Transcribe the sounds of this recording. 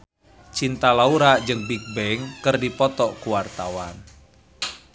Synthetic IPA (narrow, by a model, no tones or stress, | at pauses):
t͡ʃint̪alauɾad͡ʒɨŋbik̚bɛŋkɨrdipɔt̪ɔʔkuwart̪awan